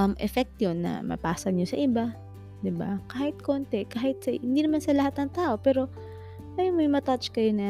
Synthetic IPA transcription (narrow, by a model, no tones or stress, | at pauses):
ʔɐmʔɛfɛk̚t̪ɲonːɐ̰mɐ̰paːsɐɡ̪ɲosɐʔɪba | d̪ɪba̰kaːhɪt̪̚ko̞ːnt̪ɛkaːhɪt̪̚sɐɪnd̪iːnɐmansɐlɐhat̪̚nɐŋt̪aːʔo̞pɛːɾo̞ | ɐjomojŋmɐt̪at͡ʃkɐjonɐ